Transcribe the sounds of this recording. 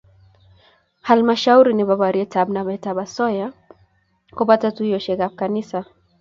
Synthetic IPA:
halmaʃauɾinibaβaɾiɛtabnamaitabasɔja | kupatatuijɔʃɛkakanisa

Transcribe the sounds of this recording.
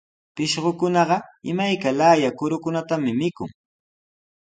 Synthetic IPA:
pɪʃɢokʊnɑɢɑɪmajkalaːjakʊɾʊkʊnat̪amɪmɪkʊ̰ŋ

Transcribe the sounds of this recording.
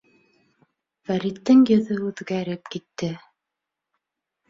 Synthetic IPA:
fæɾit̪ːɘŋjɵ̆ðɵʉðɡæɾɘpkit̪ːɘ

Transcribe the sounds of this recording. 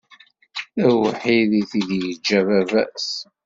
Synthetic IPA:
æwəħiðiθiðjəd͡ʒːævævæs

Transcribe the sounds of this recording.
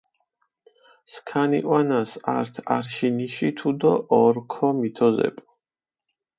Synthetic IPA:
skʰaniʔʼwanasaɾt̪ʰa̰ɾʃiniʃit̪ʰud̪ɔʔɔɾkʰɔmit̪ʰɔzɛ̰pʼ

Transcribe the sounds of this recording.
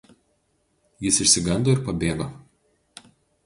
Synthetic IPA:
jɪsɪʃʲsʲɪɡɐnd̪oːɪɾpɐbʲeːɡo

